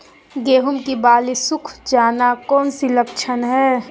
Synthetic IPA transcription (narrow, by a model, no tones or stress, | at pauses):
ɡeːɦʊmkibaːlisʊkʰd͡ʒaːnakɔːnsilɐkt͡ʃʰənɦɛː